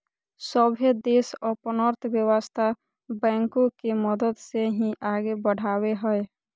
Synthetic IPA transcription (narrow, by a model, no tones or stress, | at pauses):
səbʱed̪eːsɔːɾpənəɾt̪ʰbjəwəst̪ʰa | bɛ̃ːŋkõkeməd̪əd̪seɦĩʔaːɡebəɽ̤aːweɦəe